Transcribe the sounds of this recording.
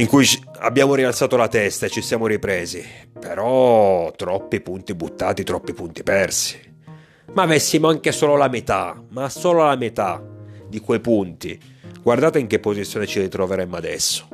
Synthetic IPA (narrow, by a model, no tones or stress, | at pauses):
iŋkuj | a̰bːjaːmoɾialt̪saːt̪olat̪ɛst̪aet͡ʃːisjaːmoɾipɾeːzipeɾɔt̪ɾɔpːipunt̪ibut̪ːa̰ːt̪it̪ɾɔpːipunt̪ipɛrsi̥ | maːvɛsːimoaŋkesɔːlolamet̪a̰masoːlolamet̪ad̪ikwejpunt̪ḭ | ɡward̪aːt̪eiŋk̟epːozit̪sːjoːnet͡ʃirit̪ɾoveɾɛmːoad̪ɛ̰sːo̥